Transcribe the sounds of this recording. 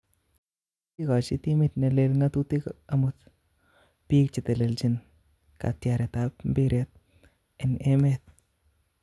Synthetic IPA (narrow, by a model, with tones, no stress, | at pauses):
i˦ka˨t͡ʃi˦t̪i˦mi˦t̪̚ne˨le˨lŋa˦t̪u˦ti˦kamut̪ | piː˦k̚t͡ʃɪ˨t̪e˨le˨lt͡ʃi˦n | ka̰˨tja˨ɾɛ˨tapm̩bi˦ɾʔe˨t̪̚ | ɪ˨ne˦met̪̚